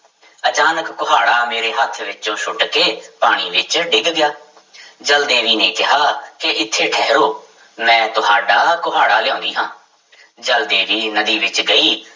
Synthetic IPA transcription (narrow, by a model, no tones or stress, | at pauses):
ət͡ʃaːnəkːʊɦaːɽaːmeːɾeːɦət̪ʰʋɪt͡ʃõːʃʊʈkeːpaːɽ̃iːʋɪt͡ʃɖɪɡɡɪjaː | d͡ʒəld̪ẽːʋiːnẽːkɪɦaːkɪʔɪt̪ʰːeːʈʰɛɦɾoː | mɛ̃ːt̪ʊɦaːɖaːkʊɦaːɽaːlɪjãːnd̪iːɦãː | d͡ʒəld̪ẽːʋiːnəd̪iːʋɪt͡ʃɡəiː